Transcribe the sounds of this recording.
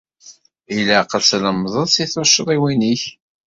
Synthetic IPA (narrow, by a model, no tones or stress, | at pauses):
iləqəlsləmðˤəðˤsiθʊʃːəðˤiwiniç